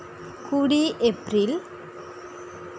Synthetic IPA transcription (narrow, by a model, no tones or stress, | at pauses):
kuːɽiʔepːril